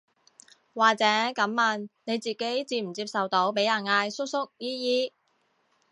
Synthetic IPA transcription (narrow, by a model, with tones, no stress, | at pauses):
waː˨k̚t͡sɛː˨˥kɐ˨˥mːaː˨˧nne˨˧jt͡siː˨ke˨˥jt͡siː˧m̩˨˩t͡siː˧p̚sɐ˨wt̪o˨˥wpe˨˥jɐ˨˩nŋaː˧jsʊ˥k̚sʊ˥k̚jiː˥jiː˥